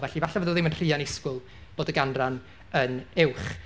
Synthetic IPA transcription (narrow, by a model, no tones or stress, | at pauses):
vɛɬivaɬavəːðəðɪmənr̥iːanɪskʊlˠ | b̥oːdəɡanran | ənɪwχ